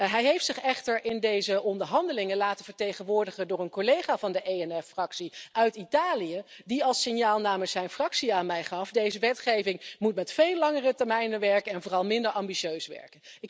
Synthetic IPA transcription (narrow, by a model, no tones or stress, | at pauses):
ɦɛjɦejftsɪχɛχtəɹʔɪndejzəʔɔndəɹɦɑndəlɪŋəlaːtənvəɹtejχənʋʊːɹdəχəndʊːɹənkolejχaːvɑndəʔejɛnɛfrɑksiʔœɥtitaːlijə | diɑlˠsɪnjaːlˠnaːməlksɛjnfrɑksiaːnmɛjχɑfdejzəʋɛtχejvɪŋmutmɛtfejlɑŋərətɛɹmɛjnənʋɛɹkənɛnvoːrɑlˠmɪndəɹɑmbiʃøɥsʋɛ̰ɹkən | ɪk